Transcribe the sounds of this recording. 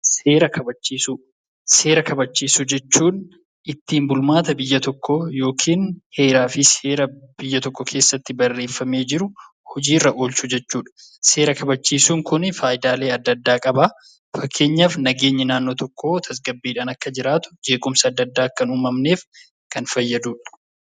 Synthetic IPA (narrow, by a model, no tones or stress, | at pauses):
se̞ːɾɐkʰɐbɐt͡ʃːiːsu | se̞ːɾɐkɐbɐt͡ʃːiːsʊd͡ʒɛt͡ʃːuːn | ʔɪt̪ːiːmbʊlmaːt̪ɐbɪjːɐt̪ɔkːɔjo̞ːkʰiːnhe̞ːɾaːfɪse̞ːɾɐb̥ɪjːɐt̪ɔkːɔkʰe̞ːsːɐt̪ːɪbɐrːeːfːɐme̞ːd͡ʒɪɾʊ | hɔd͡ʒiːrːɐʔo̞ːlt͡ʃʊd͡ʒɛt͡ʃːuːᶑɐ̥ | se̞ːɾɐkɐbɐt͡ʃːiːsuːŋkʊnfaːjɪd̪aːle̞ːɐd̪ːɐd̪ːaːkʼɐba | fɐkʰːe̞ːɲːafnɐɡe̞ːɲːɐnaːnːo̞ːt̪ɔkːo̞ːt̪ʰɐs̬ɡɐbːiːᶑaːnɐkːɐd͡ʒɪɾaːt̪ʊ̥d͡ʒe̞ːkʼʊmsɐːd̪ːɐd̪ːaːkːɐnuːmɐmne̞ːf | kɐnfɐjːɐd̪uːᶑɐ̥